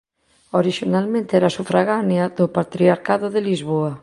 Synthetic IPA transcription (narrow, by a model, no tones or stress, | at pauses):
oɾiʃonalmẽnt̪eɛɾasufɾaɣanjaðopat̪ɾiaɾkaðoðelizβoa